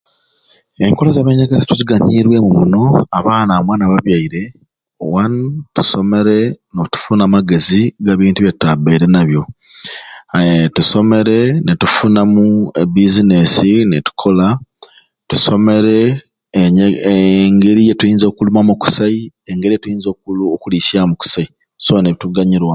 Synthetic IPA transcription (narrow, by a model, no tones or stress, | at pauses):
e̞ŋko̞lozaβeɲaɡazetuziɡaɲiɾwe̞mumuno̞aβaːnamwaːnaβaβjaiɾe̞ | owantu̥so̞me̞ɾe̞notu̥funamaɡe̞ziɡaβiːntuβjetabeiɾe̞naβjo̞ | tuso̞me̞ɾe̞netufunamuebizine̞sinetu̥kʰo̞la | tuso̞me̞ɾe̞ | ɲ | ŋɡe̞ɾijetujiːnzo̞ːkulumamuku̥sai | eŋɡe̞ɾijetujiːnzokulokulisiamuku̥sai | soneβituɡaɲiɾwa